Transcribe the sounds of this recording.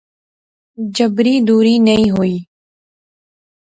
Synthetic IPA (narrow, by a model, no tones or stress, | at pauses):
d͡ʒəbɾiːd̪uːɾiːnəĩːɦoiː